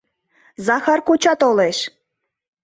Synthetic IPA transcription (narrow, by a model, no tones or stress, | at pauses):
zɑxɑrkut͡ɕɑt̪oleʃ